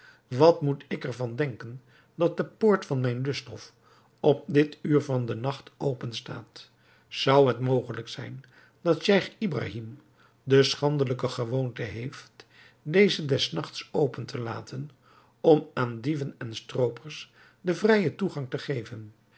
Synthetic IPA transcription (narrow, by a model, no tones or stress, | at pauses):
ʋɑtmutɪkɛɹvɑndɛŋkən | dɑt̚dəpoːɹtfɑnmɛjnlɵstɦɔf | ɔp̚dɪtyːɹvɑndənɑχtowpənsta̰ːt | z̥ɑwɦətmowχələksɛ̰jn | dɑtʃɛjχibra̰ːɦim | dəsχɑndələkəχəʋowntəɦejft | dejzədɛsnɑχtsowpəntʰəla̰ːtʰən | ɔmaːndivənɛnstrowpʰəɹs | dəvrɛjətuχɑŋtəχejvən